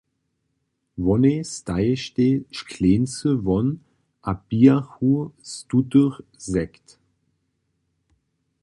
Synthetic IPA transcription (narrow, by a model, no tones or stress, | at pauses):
vɔnest̪aɪʃteʃkʰleːnt͡səvɔn | ʔab̥iːaxustutəʁzɛkt